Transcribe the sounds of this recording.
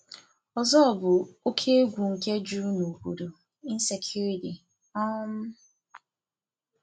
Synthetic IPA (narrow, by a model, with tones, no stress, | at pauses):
ɔ˨zɔ˦ɔ˨bʊ˨o˦kʰe˦ɡʷu˨ŋ̩˨ke˦d͡ʒu˦no˨bu˨do˨ | i˦n̩˦se˨kʰju˦ɾi˨ti˨ | a˦m̩˦